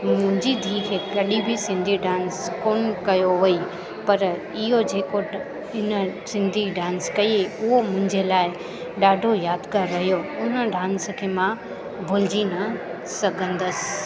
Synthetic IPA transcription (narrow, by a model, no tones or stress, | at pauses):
mʊ̃ɦɪ̃ɲd͡ʑid̪ʱiːkʰeːkɐɗibʱɪsɪ̃nd̪ʱiɖãːnskoːnkɐjoʋɐi | pɐɾ | ɪɦod͡ʑeːko | ɪnəsɪ̃nd̪ʱiɖãːnskɐieʊɦomʊ̃ɦɪ̃ɲd͡ʑelaːɪ | ɗaːɖʱojaːd̪kaɾːɐɦijoʊnəɖãːnskʰeːmã | bʱʊlɪd͡ʑinɐ | sɐɡʱə̃nd̪əsɪ̥